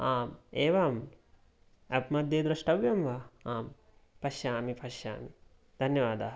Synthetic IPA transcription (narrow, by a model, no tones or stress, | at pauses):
aːmeːʋaːm | ɐpmɐd̪ːeːd̪ɾɐʂʈɐʋjɐmʋɐaːm | pɐʃjaːmipʰɐʃja̰ːmi | d̪̥ʱɐnjɐʋaːd̪aːɦɐ